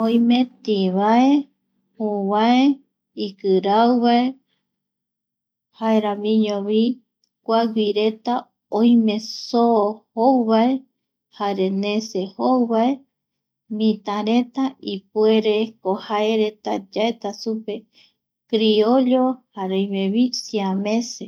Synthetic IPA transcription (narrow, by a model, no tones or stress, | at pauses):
oj̃mẽt̪iβae | huβae | ikɨɾawβae | haeɾamĩɲõβi | kʷaɡʷiɾe̞t̪a | õj̃mẽ̞sohowβae | haɾenẽsehowβae | mĩt̪ãɾe̞t̪aʔipwueɾekohaeɾet̪a̰d͡ʒaet̪asupe̞ | kɾioʎohaɾeõjmẽβisiamẽse